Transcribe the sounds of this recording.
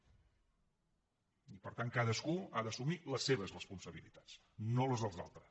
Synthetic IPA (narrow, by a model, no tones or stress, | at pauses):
ipəɾt̪aŋkaðəskuaðəːsumiləsːeβ̞əzrəspunsəβilit̪ḁt͡s | noləzðəlˠza̰lˠt̪ɾəs